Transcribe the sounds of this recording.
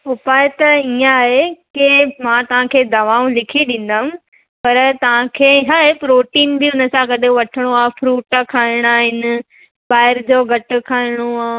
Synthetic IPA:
ʊpaːet̪ɐijãːɦekɪmãt̪ɐʋ̤ãkʰeːd̪ɐʋaːũlɪkʰiɗĩːn̆d̪aːʊ̃ | pɐɾt̪ɐʋ̤ãkʰeːɦaːɦepɾoːʈiːnbɪʊnə̆sãkɐɗʱeʋɐʈʰɪɽ̃oaːefɾuːʈkʰaːɪɽ̃aːɦɪnɪ̆ | baːɪɾd͡ʑoːɡʱɐʈʊ̆kʰaːɪɽ̃oaː

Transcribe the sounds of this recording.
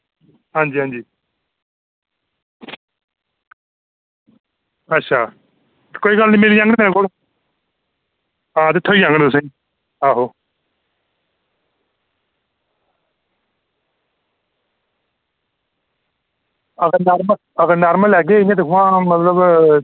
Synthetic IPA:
ɦãːɲd͡ʒiːɦãːɲd͡ʒiː | ətːʃʰaː | koːiːɡəlnĩːmeːliãːɡ̃t̪ẽːkoːl | ãːt̪eːt̪ʰoːiːãːŋɡəɽ̃d̪ʊs̬ẽ | aːɦoː | əɡəɾnaːɾmə | əɡəɾnaːɾməlɛːɡeːɪãt̪eɦʊãːmət̪ləb

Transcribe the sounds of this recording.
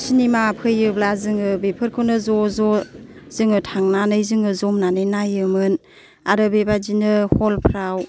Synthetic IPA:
sinimapʰɯjɯblazɯŋɯbepʰɯɾkʰɯnɯzɔzɔz̥ɯŋɯtʰaŋnanɯjzɯŋɯzɔmnanɯnajɯmɯn | aɾɯbebad͡ʒinɯhɔlpʰɾaw

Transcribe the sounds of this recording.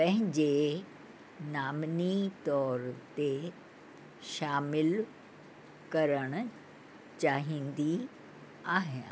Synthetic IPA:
pɐ̃ɦɪ̃ɲd͡ʑe | naːmnit̪ɔːɾt̪e | ʃaːmɪl | kɐɾəɽ̃ | t͡ɕaːɦĩːnd̪i | aːɦẽ

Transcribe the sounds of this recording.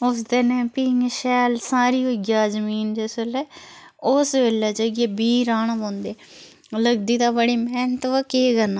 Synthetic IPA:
ʊsd̪enɛːpiːŋʃɛːlsaːɾiːoːɡjaːzəmiːnd͡ʒeːselɛː | ʊsʋeːlɛːd͡ʒəɡeːbiːɾaːɳbõːnd̪eː | ləɡd̪iːt̪aːbəɽiːmɛːnt̪ʋakeːɡəɾna

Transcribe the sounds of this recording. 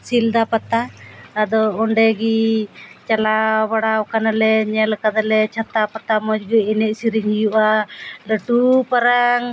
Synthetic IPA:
sild̪apat̪aad̪ɔɔɳɖɛɡit͡ʃalabaɽaɔkanalɛɲɛlkad̪alɛt͡ʃʰat̪apat̪amɔd͡ʒɡɛinɛʔ̚siɾiɲhijuʔaləʈupaɾaŋ

